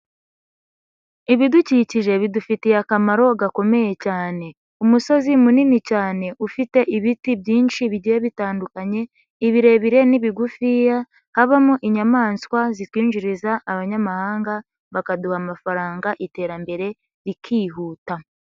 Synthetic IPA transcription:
iβiduciciʒe̞βidufitijakamaɾo̞ɡako̞me̞je̞caːne̞ | umuso̞zimuninicaːne̞ʔufite̞ʔiβitibjiːnʃiβiɟijeβitaːndukaɲe̞ | iβiɾe̞βiɾe̞niβiɡufija | haβamuʔiɲamaːnskwazitwiːɲʒiɾizaʔːβaɲamahaːŋɡa | βakaduhamafaɾaːŋɡaʔite̞ːɾambe̞ɾe̞ | ɾikʰiːɦuːta

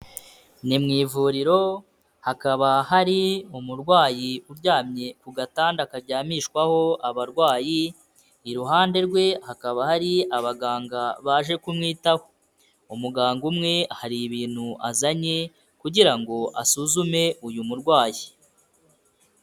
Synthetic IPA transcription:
nimŋiːvuːɾiɾo̞ | hakaβaɦaɾiumuɾɡwaːjiuɾɟaːmɲe̞kuɡataːndakaɾɟaːmiʃkwaho̞aβaɾɡwaːji | iɾuɦaːnde̞ɾɡwe̞hakaβahaɾiaβaɡaːŋɡaβaʒe̞kumŋiːtaho̞ | umuɡaːŋɡumŋe̞haɾiβiːn̥huʔazaɲe | kuɟiɾaŋɡo̞ʔa̰suzume̞ʔujumuɾɡwaːji

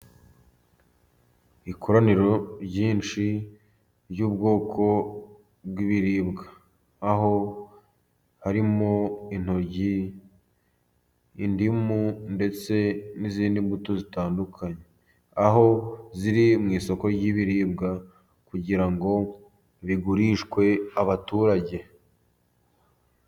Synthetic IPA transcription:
ikʰoɾaniɾo̞ɾɟiːnt͡ʃi | ɾjuːbɡo̞ːkʰo̞ | bɡiβiɾiːbɡaː | ɦo̞ | haɾimo̞in̥hoɾɟi | ndimunde̞t͡se̞niziːndimbutozitaːndukʰaɲe̞ | aɦo̞ziɾimŋiːso̞ko̞ɾɟiβiɾiːbɡa | kuɟiɾaŋɡo̞ | βiɡuɾiːʃkwe̞aβatuːɾaɟe̞

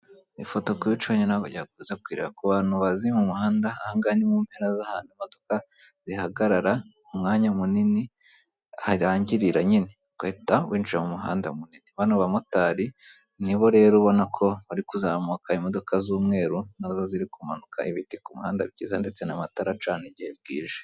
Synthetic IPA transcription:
ifo̞to̞kuβit͡ʃoːɲonaɡoɟaakuzakwiːɾḛakuβaːn̥huβazimumuhaːndaːhaŋɡanimuːmpeɾazahaːndimo̞doka | z̥ihaɡaɾaɾa | umŋaːɲamunini | haɾaːɲɟiɾiɾaɲine | kwetawiːnt͡ʃuemumuɦa̰ːnda̰muniniβanuβamotaːɾi | niβo̞ɾe̞ːɾuβo̞nakʰo̞βaɾikuzamukaimo̞do̞kazuːmŋe̞ːɾunazo̞ziɾikumanukʰa̰iβitikumuhaːnda̰βɟiːzande̞t͡se̞namataɾat͡ʃaːniɟiheb̚ɡḭːʒe

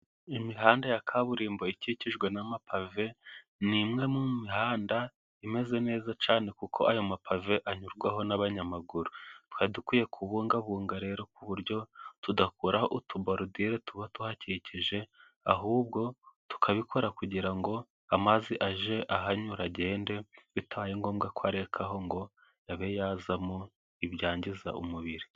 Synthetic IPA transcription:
imiɦaːndajakʰaβuɾiːmbo̞iciciʒɡwe̞namapʰave̞ | nimŋe̞mumihaːnda | ime̞ze̞ne̞ːzat͡ʃaːne̞kukʰo̞̰ʔajo̞mapʰave̞ʔaɲuɾɡwaɦo̞naβaɲamaɡuɾutu̥hadukuːje̞kʰuβuːŋɡaβuːŋɡaɾe̞ɾo̞kuβuɾjo̞tudakuɾahoʔutʰubaɾudiɾetuβatuhaciciʒe̞ | aɦuːbɡo̞tu̥kʰaβikʰo̞ɾakuɟiɾaŋɡo̞ | amaziʔaʒe̞ʔaɦaɲuɾaɟe̞ːnde̞βitaβajeŋɡo̞ːmɡakwaɾe̞kʰaɦo̞ŋɡo̞ | jaβe̞jazamo | iβɟaːɲɟiza̰ʔumuβiɾi

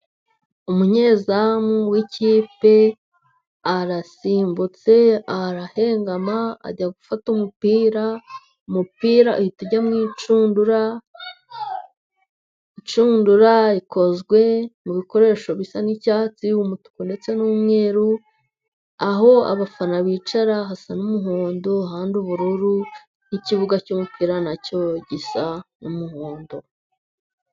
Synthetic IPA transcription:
umuɲe̞zamuwiciːpe̞ | aɾasiːmbut͡se̞aɾahe̞ːŋɡamaa̰ɟaɡufatumupiːɾa | umupiːɾauituɟamŋiːt͡ʃuːnduɾa | it͡ʃuːnduɾaikʰo̞zɡwe̞muβiko̞ɾe̞ːʃo̞βisanicat͡siwumutu̥konde̞t͡se̞nuːmŋe̞ːɾu | aɦo̞a̰βafanaβiːt͡ʃaɾaɦasanumuɦoːndoɦaːnduβuɾuɾu | niciβuɡacumupʰiːɾanaco̞ɟisanumuhoːndo

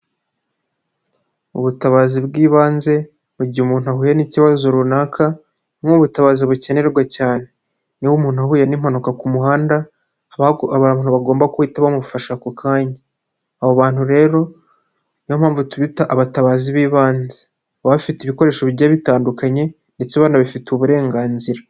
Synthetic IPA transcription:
ṵβutaβaːzibɡiːβaːnze̞ | βuɟiumuːnuhaɦuːjaniciβazo̞ɾunaːkʰa | mŋuβutaβaːziβuceneɾɾɡwacaːne̞ | niwumuːnuhahuːjanim̥hanukakumuɦaːnda | an̥huβaɡo̞ːmbakuhitaβamufaʃakukʰaːɲa | aβoβaːn̥huɾe̞ːɾo̞ | niwomhaːɱvutuβitaʔːβataβaːziβiːβaːnze | βaβifitiβiko̞ɾe̞ːʃoβiɟaːβitaːndukaɲe̞ | nde̞t͡seβaːnaβifituβuɾe̞ːŋɡaːnziɾa

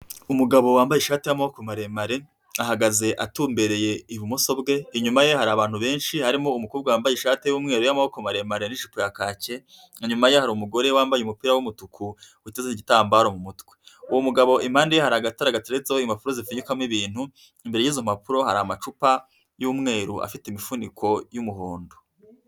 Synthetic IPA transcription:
umuɡaβo̞waːmbajeʃaːtejamahokomaɾe̞maɾe̞ | aɦaɡaze̞ʔatuːmbe̞ɾe̞je̞iβumuso̞bɡe̞iɲumaje̞haɾaβaːn̥huβe̞ːnʃihaɾimo̞umukuːbɡawaːmbajeʃaːte̞juːmŋe̞ːɾojamahokomaɾe̞maɾe̞niʃupujakaːce̞ | iɲumajehaɾuːmuɡo̞ɾewaːmbajumupiːɾawumutukʰuwitezeniɟitaːmbaːɾo̞mumutweuwomuɡaβo̞ʔim̥haːndejehaɾaɡataɾaɡat͡siɾezoimapuɾo̞zifuɲukamwiβiːn̥hu | imbe̞ɾejiːzomapuɾo̞haɾaamat͡ʃupa | juːmŋe̞ːɾua̰fiteimifunikʰo̞jumuɦoːndo

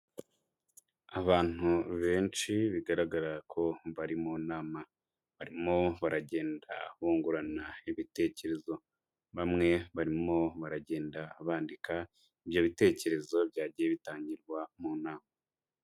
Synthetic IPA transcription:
aβaːn̥uβe̞ːnt͡ʃiβiɡaɾaɡaɾakʰo̞βaɾimuːnaːma | βaɾimo̞βaɾaɟe̞ːnda̰huːŋɡuɾanaiβite̞ce̞ɾe̞zo̞ | βamŋe̞βaɾimo̞βaɾaɟe̞ːndaβaːndika | ibjo̞βite̞ːce̞ɾe̞zo̞bɟaːɟijeβitaːɲiɾɡwamuːnaːma

